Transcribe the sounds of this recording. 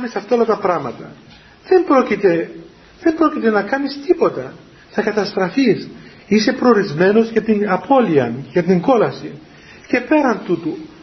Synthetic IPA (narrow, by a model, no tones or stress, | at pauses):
nisɐft̪ɐolɐt̪ɐpɾɐɣmɐt̪ɐ̰ | ðe̞mbɾo̞cit̪e̞ | ðe̞mbɾo̞cit̪e̞nɐkɐnist̪ipo̞t̪ɐ | θɐkɐt̪ɐst̪ɾɐfis | ise̞pɾoːɾizme̞no̞zʝɐt̪inɐpʰo̞liɐnʝɐt̪iŋɡo̞lɐsi | ce̞pe̞ɾɐnt̪ut̪u